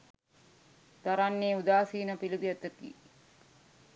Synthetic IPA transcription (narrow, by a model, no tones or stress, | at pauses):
t̪aɾanːeːud̪aːsiːnəpilid̪ijət̪ək̪ḭː